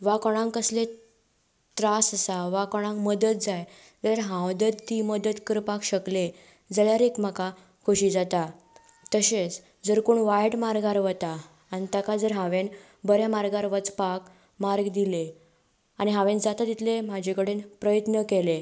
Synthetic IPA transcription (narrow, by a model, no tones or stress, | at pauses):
ʋakɔɽ̃ãŋkəsle | t̪ɾasəsaʋakɔɽ̃ãŋkməd̪ət̪̚d͡zaj | d͡zəjaɾɦãwd̪ət̪t̪ːiməd̪ət̪kəɾpakɕəkle | d͡zəɭjaɾekmaka | kʰuɕiːd͡zat̪a | t̪əɕet͡s | d͡zəɾkoɳʋajʈmaɾɡaɾʋət̪a | nit̪akad͡zəɾɦãʋen | bəɾjamaɾɡaɾʋət͡spak | maɾɡd̪ile | añiɦãʋẽnd͡zat̪at̪it̪ʰlem̤ad͡ʑʱekəɽenpɾəjət̪nəkele